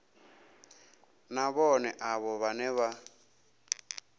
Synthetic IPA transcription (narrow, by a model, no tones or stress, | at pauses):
naβɔnɛʔaβɔβanɛβa